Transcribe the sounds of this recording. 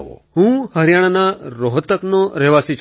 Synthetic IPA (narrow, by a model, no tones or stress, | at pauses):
ɦũhəɾjaɽ̃anaɾoɦt̪əknoɾɛʋasit͡ʃ